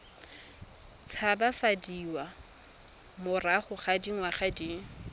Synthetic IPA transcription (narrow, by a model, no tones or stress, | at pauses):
t͡sʰabafadiwa | mʊraχʊχadiŋwaχadiŋ̩